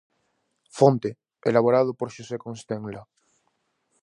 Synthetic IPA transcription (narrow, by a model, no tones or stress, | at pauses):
font̪e | elaβoɾað̞opoɾʃosekonst̪ẽŋla